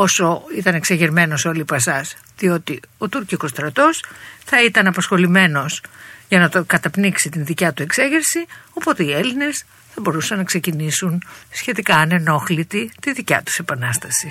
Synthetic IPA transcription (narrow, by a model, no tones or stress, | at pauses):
o̞so̞it̪ɐneksɐʝeɾme̞no̞so̞lipɐsɐs | ðio̞t̪io̞t̪uɾciko̞st̪ɾɐt̪o̞sθɐit̪ɐnɐpɐsxo̞lime̞no̞sʝɐnɐt̪okɐt̪ɐpniksit̪inðicɐt̪ue̞kse̞ʝeɾsio̞po̞t̪e̞ie̞line̞s | θɐbo̞ɾusɐnːɐkse̞cinisunsçe̞t̪ikɐːne̞no̞xlit̪it̪iðicɐ̰t̪u̥se̞pɐnɐst̪ɐsi